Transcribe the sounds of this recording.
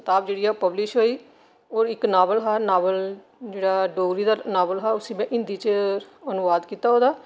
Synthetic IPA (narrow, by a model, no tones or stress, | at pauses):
t̪aːb̚d͡ʒeːɽiːaːpəblɪʃɦoːiː | oːɾɪknaːbəlɦaːnaːʋəl | d͡ʒeːɽaːɖoːɾiːd̪aːnaːbəlɦaːʊsĩːmɛ̃ːʔɪ̃nd̪iːt͡ʃənʊʋaːd̪kiːt̪aːɦoːd̪aː